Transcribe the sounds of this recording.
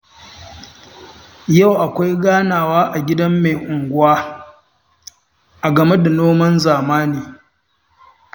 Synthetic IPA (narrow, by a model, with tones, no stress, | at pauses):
ja˦˨wʔa˨kʷa˦jɡaː˦naː˨waː˦ʔa˨ɡʲɪ˦dɐ˦mːe˨ʔʊ˨ŋɡʷʊ˦waː˦ | ʔa˨ɡɐ˨me˦da˨noː˦mɐ˦nzaː˨maː˦niː˨